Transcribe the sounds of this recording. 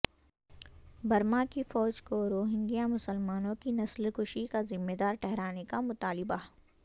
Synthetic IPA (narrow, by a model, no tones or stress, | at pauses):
bɐɾmakifɔːd͡ʒkoɾoːɦɪ̃ŋɡijamʊsəlmaːnõkinɐslxʊʃikazɪmːed̪aːɾʈɛɦɾaːnekamʊt̪aːlɪba